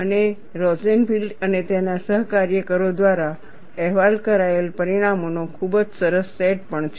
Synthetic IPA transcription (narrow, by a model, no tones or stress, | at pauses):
əne | ɾɔd͡ʒenfilɖənet̪enasəɦkaɾjəkəɾod̪ʋaɾa | ɛɦʋalkəɾaelpəɾiɽ̃amonokʰubd͡ʒsəɾəsːɛʈ̚pəɳt͡ʃʰ